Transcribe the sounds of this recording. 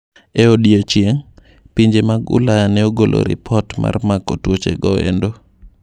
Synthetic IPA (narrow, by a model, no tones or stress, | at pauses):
ɛodiot͡ʃjeŋ | piɲd͡ʒemaɡʊ̰lajanɛoɡolʔo̰ɾɪ̰pʰɔtma̰rmakotwot͡ʃḛɡɔḛndo